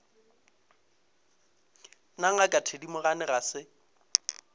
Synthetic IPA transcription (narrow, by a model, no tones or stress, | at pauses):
naŋ̩akʼatʰedimʊɣanɪrasɪ